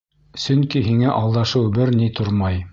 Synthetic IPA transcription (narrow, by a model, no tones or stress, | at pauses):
sɵŋkiɦiŋæʔɑlˠd̪ɑʃɤwbɘɾnit̪ʰoɾmɑj